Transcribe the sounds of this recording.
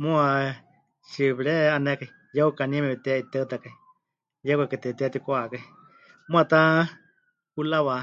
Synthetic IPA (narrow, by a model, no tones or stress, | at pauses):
mũa | ʃiβiɺɛanɛkai | jaukanimɛβit̪ɛait̪ɛut̪akai | jakakɨt̪ɛt̪ɛat̪ikoakai | mũat̪a | kulaβa